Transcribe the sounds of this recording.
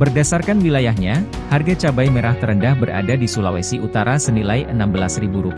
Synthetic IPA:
bərdasarkanwilajaɦɲa | harɡat͡ʃabajmeɾaht̪əɾəndahbəɾa̰dadisulawesiʔut̪aɾasənilajʔənambəlasribuɾup

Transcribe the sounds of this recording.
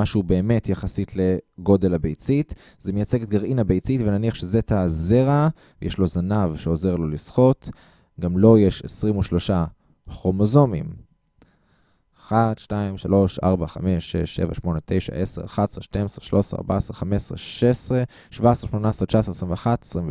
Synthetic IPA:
aʃube̞ːme̞tjaχasitle̞ɡo̞de̞labejt͡sit | zemejat͡seɡt̪̚ɡaʁinabejt͡sitvenaniaχʃezetazeʁa | jeʃlo̞zanavʃeo̞ze̞ʁlo̞lisχo̞t | ɡamlo̞jeʃesʁimuʃlo̞ʃa | χo̞mozo̞mim | χatʃtaimʃalo̞ʃʔa̰ʁbaχa̰me̞ʃeʃːḛva̰ʃmo̞netʰe̞jʃa̰ʔeseʁaχadesʁeʃtemesʁeʃlʔosa̰ʁba̰esʁeχamesʁeʃesʁe | ʃvaesʁeʃmonaesʁet͡ʃaesʁesʁĩmveaχate̥sʁimv

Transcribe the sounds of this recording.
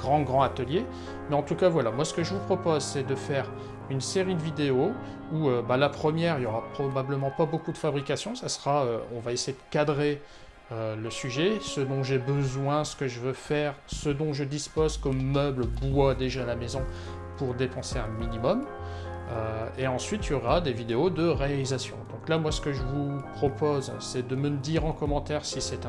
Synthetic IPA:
ɡ̥ʁɑ̃ɡʁɑ̃at̪əlje | mɛɑ̃t̪ukavwalamwasə̥kəʒəvupχɔpozsɛd̪əfɛʁ | ynseʁid̪əvid̪eo | uøbalapχəmjɛʁiljɔʁapχɔbabləmɑ̃pabokud̪əfabʁikasjɔ̃sasəʁaøɔ̃vaesejed̪əkad̪ʁe | øləsyʒɛsəd̪ɔ̃ʒebəzwɛ̃sə̥kəʒəvøfɛʁsəd̪ɔ̃ʒəd̪ispozkɔmœblbwad̪eʒaːlamezɔ̃ | puʁd̪epɑ̃seɛ̃minimɔm | øeɑ̃sɥit̪ʰjɔʁad̪evid̪eod̪əʁealizasjɔ̰̃d̪ɔ̃klamwasə̥kəʒəvupχɔpozsɛd̪əməd̪iʁɑ̃kɔmɑ̃t̪ɛʁsisɛt̪ɛ̃

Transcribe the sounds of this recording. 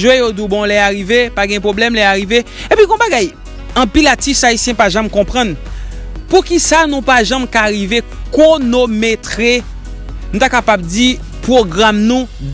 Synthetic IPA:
ʒwejod̪ubɔ̃lɛaɣivepaɡɛ̃pʁoblɛmlɛaɣive | epiɡɔ̃baɡaj | ɐ̃pilatisaisjɛ̃paʒamkɔ̃pʁʌ̃n | pukisanũpaʒãmkaɣivekonomet̪ʁe | nũt̪akapab̚d͡zi | pʁoɡʁamnũ

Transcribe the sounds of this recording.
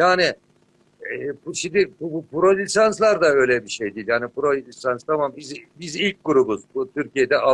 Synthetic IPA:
jaːni | ɛpuʃind̪ipubpuɾo̞lʲisanslˠaɾd̪aø̞jlʲɛbiʃejd̪iːlʲjaːnipʰuɾo̞lʲisanst̪ʰamambizbizilʲc̚ɡuɾubuzbut̪ʰyɾcʰijed̪ɛʔa

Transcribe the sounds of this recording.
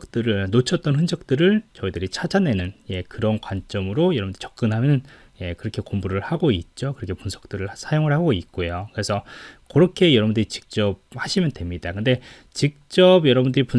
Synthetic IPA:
k̚t͈ɯɾɯɭnot͡ɕʰʌt͈ʌnɸɯnd͡ʑʰʌk̚t͈ɯɾɯɭt͡ɕʌidɯɾit͡ɕʰad͡ʑane̞nɯnje̞kɯɾʌnkwant͡ɕ͈ʌmɯɾojʌɾʌbundɯɾi̥t͡ɕʌk̚k͈ɯnɦamjʌnn | je̞kɯɾʌkʰe̞kombuɾɯɭhaɡoit̚t͡ɕ͈okɯɾʌkʰepunsʰʌ̥k̚t͈ɯɾɯɭsʰajoŋɯɭhaɡoit̚k͈ojokɯɾe̞sʰʌkʌɾʌkʰe̞jʌɾʌbundɯɾit͡ɕi̥k̚t͡ɕ͈ʌb̚haɕʰimjʌndwe̞mɲidakɯnde̞ | t͡ɕik̚t͡ɕ͈ʌbjʌɾʌbundɯɾipun

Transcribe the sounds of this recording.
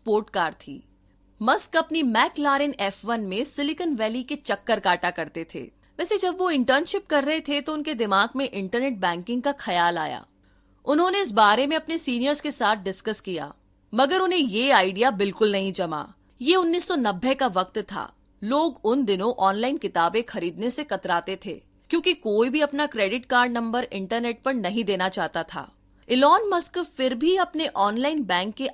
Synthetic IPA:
spoːɾʈkaːɾt̪ʰḭː | mɐskɐpnimɛːklaːɾɪnɛːfʋɐnmẽsɪlɪkənʋɛːliket͡ʃɐkːəɾkaːʈakɐɾt̪et̪ʰḛː | ʋɛːsed͡ʒɐbʋoɪ̃ɳʈəɾnʃɪp̚kɐɾːɐɦet̪ʰet̪oʊnked̪ɪmaːɡmẽʔɪ̃ɳʈəɾneːʈ̚bɛ̃ːŋkɪ̃ŋɡ̚kaxɐjaːla̰ːja̰ː | ʊnɦõːneɪs̬baːɾemẽɐpnesiːnijəɾzkesaːt̪̚ʰɖɪskəskija̰ː | mɐɡəɾʊnɦẽjeaːɪɖijabɪlkʊlnɐɦĩd͡ʒɐma̰ː | jeʊnːiːsːɔnɐbːekaʋɐk̚t̪t̪ʰa̰ː | loːɡʊnd̪ɪnõʔɔːnlaːɪnkɪt̪aːbẽxɐɾiːd̪nesekɐt̪ɾaːt̪et̪ʰḛː | kjõːkikoːibʱiɐpnakɾeːɖɪʈkaːɾɖnɐ̃mbəɾɪ̃ɳʈəɾneːʈ̚pɐɾnɐɦĩd̪eːnat͡ʃaːɦt̪at̪ʰa̰ː | ɪlɔːnmɐskfɪɾbʱiɐpneʔɔːnlaːɪnbɛ̃ːŋkːe

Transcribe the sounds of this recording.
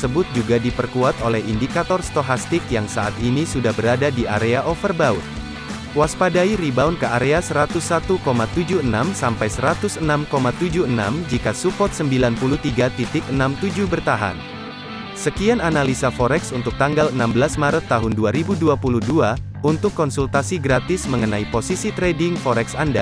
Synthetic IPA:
səbʊt̪̚d͡ʒuɡadipərkuat̪olɛhindikat̪ɔrst̪oɦast̪ɪkjaŋsaʔa̰t̪inisudahbəɾadadia̰ɾeaʔɔfərbaʊ̰t̪̚ | waspadaiɾibaunkəaɾeasəɾat̪ʊsːat̪ukomat̪ud͡ʒuənamsampajsəɾat̪ʊsənamkomat̪ud͡ʒuəna̰md͡ʒikasukɔt̪̚səmbilanpuluht̪iɡat̪it̪ɪk̚ənamt̪ud͡ʒuhbərt̪aɦa̰n | səkiananalisafɔɾɛksunt̪ʊk̚t̪aŋɡalənambəlasmaɾət̪ːaɦʊnduaɾibuduapuluhdua | unt̪ʊkːɔnsult̪asiɡɾat̪ɪsməŋənaiposisit̪ɾedɪŋfɔɾɛksanda̰

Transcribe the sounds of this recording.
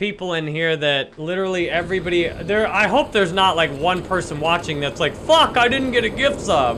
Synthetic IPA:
pipl̩ˠɪ̃nɦiɹðɨt̚lɪɾə˞l̩ˠiɛvɹibɑɾiðə˞aɪɦoʊp̚ðə˞znətˡlaɪkwʌ̃npʰɜ˞sə̃nwɑt͡ʃɪ̃ŋðɨtslaɪkfʌkaɪdɪdⁿn̩ɡ̥ɛɾɨɡɪftsʌv̥

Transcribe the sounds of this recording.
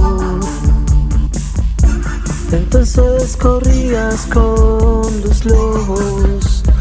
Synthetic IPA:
ẽnt̪õnseskoriaskond̪osloɣo | s

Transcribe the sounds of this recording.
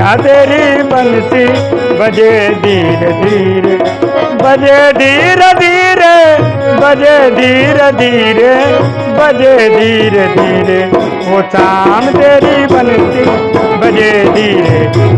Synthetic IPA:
at̪eːɾiːbənsi | bəd͡ʒed̪iːɾed̪iːɾe | bəd͡ʒeːd̪iːɾəd̪iːɾe | bəd͡ʒed̪iːɾed̪iːɾe | bəd͡ʒed̪iːɾed̪iːɾe | ɦoːsaːmt̪eːɾibɐnsibɐd͡ʒeːd̪iːɾe

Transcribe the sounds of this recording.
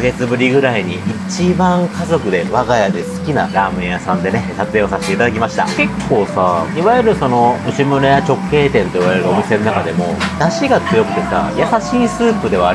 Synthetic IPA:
ɡe̞t͡sɨbɯ̟ɾʲiɡɯ̟ɾaiɲ̟iʔit͡ɕibãŋkazo̞kɯ̟d̪e̞βaɡajad̪e̞sɨ̥kʲinaɾaːmɯ̃jasãnd̪e̞ne̞sat͡seo̞saset̪eit̪ad̪akʲimaɕi̥t̪a̰ke̞kʰːo̞ːsaiβajɯ̟ɾɯ̟so̞no̞ɯ̟ɕimɯ̟ɾejat͡ɕo̞kʰːe̞ːt̪ẽ̞nt̪o̞iβaɾe̞ɾɯo̞mʲise̞nonakad̪e̞mo̞̰d̪aɕiɡat͡sɨjo̞kɯ̟̥t̪e̞sa̰jasaɕiːsɨːpɯ̟d̪e̞βaː

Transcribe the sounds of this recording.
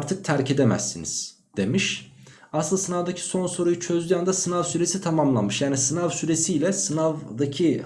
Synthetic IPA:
ɾt̪ʰɯk̚t̪ʰæɾce̞d̪e̞mæ̰sːiniz̥ | d̪̥e̞miʃ | asɯlˠasɯnavd̪acʰi̥so̞nso̞ɾujut͡ʃʰø̞zʲyjand̪asɯnavsyɾe̞sit̪ʰamamlˠanmɯʃjaːnisɯnavsyɾe̞sijlʲɛsɯnavd̪acʰi

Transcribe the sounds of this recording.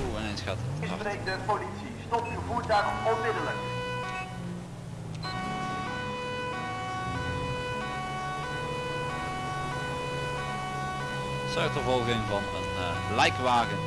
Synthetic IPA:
uɪnejnsxaːttɪsprejk̚dəpolitsistɔptywvuːɹtaːrmɔmɪdələn | sœɥtəvɔlˠɣɪŋvɑnə̰n | lɛjkʋaːɣən

